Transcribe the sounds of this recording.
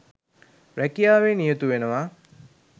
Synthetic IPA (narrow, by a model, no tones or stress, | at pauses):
ɾækijaːʋenijət̪uʋenəʋa